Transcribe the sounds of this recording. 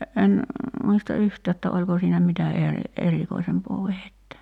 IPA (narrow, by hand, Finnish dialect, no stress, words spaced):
en muistɑ yhtæː etːæ olʲko siːnæ mitæ eri erikoisempoː ʋehetːæ